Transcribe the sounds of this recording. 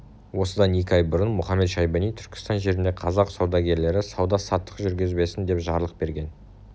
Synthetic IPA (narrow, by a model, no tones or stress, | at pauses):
wo̞səd̪ɑne̞kʲɪɑjbʊɾənmʊχɑmːe̞t̪ʃɑjbɑnijt̪ʰʏɾkʲɪ̥st̪ɑnʒe̞ɾɪnd̪e̞qʰɑzɑqsɑwd̪ɑɡʲe̞ɾle̞ɾɪsɑwd̪ɑsɑt̪ːə̥qʒʏɾɡʲɪzbe̞sɪnd̪e̞pʒɑɾəlˠəq̚be̞ɾɡʲe̞n